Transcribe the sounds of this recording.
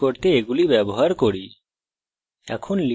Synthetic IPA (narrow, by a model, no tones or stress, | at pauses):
oɾt̪eːɡulibɛbɔɦaɾkoɽi | ɛ̰kʰonli